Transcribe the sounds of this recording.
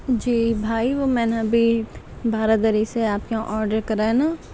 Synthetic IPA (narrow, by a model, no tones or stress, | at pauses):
d͡ʒiːbʱaːiʋomɛ̃ːnɐbʱi | bʱaːɾad̪əɾiseaːpkeãʔɔːɾɖəɾkɐɾeẽnaː